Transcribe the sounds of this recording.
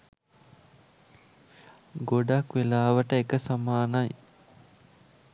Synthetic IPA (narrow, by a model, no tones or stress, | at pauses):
ɡoɖakʋelaːʋəʈəekəsamaːnaj